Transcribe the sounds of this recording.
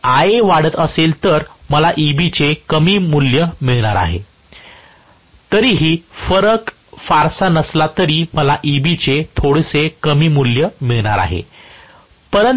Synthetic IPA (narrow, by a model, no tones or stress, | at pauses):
aeʋaɽət̪əselt̪əɾməlaʔibit͡sekəmiːmuljəmiɭɽ̃aɾa̰ɦḛ | t̪əɾiːɦiːfəɾək | faɾsanəslat̪əɾiːməlaʔibit͡set̪ʰoɽsekəmiːmuljəmiɭɳ̃aɾa̰ɦḛ | pəɾən